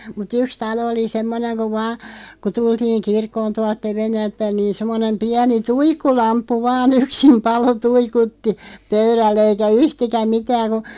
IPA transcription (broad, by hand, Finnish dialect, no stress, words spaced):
mut yks tɑlo oli semːoneŋ ku ʋɑː ku tultiːŋ kirkːoːn tuɑlt teʋenːælt pæĭn niː semːonem piæni tuikːulɑmpːu ʋɑːn yksim pɑlo tuikutːi pøyrælː eikæ yhtikæm mitæːŋ ku